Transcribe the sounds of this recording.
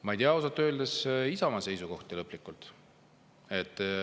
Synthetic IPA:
mɑijt̪ʲiɑosɑt̪ːˑø̞ːld̪esisɑmɑse̞jsuko̞ht̪ilɤpːˑlikːˑult̪ | e̞t̪ːˑ

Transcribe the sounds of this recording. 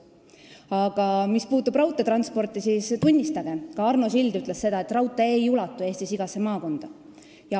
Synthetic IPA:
ɑɡ̥ɑmispuːt̪ːˑub̥rɑwt̪ˑːe̞t̪ɾɑnspo̞rt̪ːˑisiːst̪unʲːist̪ɑɡ̥e̞kɑɑrnosild̪yt̪ˑlesse̞d̪ɑet̪ːˑrɑwt̪ːˑeejulɑt̪ːˑue̞ːst̪isiɡ̥ɑse̞mɑːko̞nd̪̥ɑ | jɑ

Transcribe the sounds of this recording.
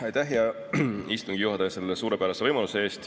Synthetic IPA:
ɑjt̪æɦjɑ | ist̪uŋɡ̥ijuɦɑt̪ɑjɑse̞lːesuːɾe̞pæɾɑsevɤjmɑluse̞e̞ːst̪

